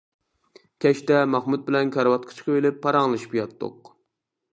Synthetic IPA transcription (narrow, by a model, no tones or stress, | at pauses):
kʲʰɛʃt̪ɛmɑχmud̪̚bɪlɛnkʲʰɑɾwɑt̪̚qʰɑ̥t͡ʃʰqʰəvelɪpʰːɑɾɑŋlˠɨʃpjɑt̪ːo̰q